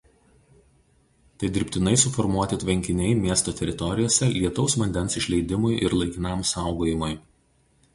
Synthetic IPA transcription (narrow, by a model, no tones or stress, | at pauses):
t̪ɐɪd̪ʲɪɾʲpʲt̪ʲɪnɐɪsʊfɔɾmuɔt̪ʲɪt̪ʲʋʲɛŋʲkʲɪnʲɛɪmʲiɛst̪oːt̪ʲɛɾʲɪt̪ɔɾʲɪjoːsʲɛlʲiɛt̪ɔʊsʋɐnʲd̪ʲɛnsɪʃʲlʲɛɪd̪ʲɪmʊjʔɪ̰ɾlˠɐɪkʲɪnɑmsɑˑʊɡoːjɪmʊj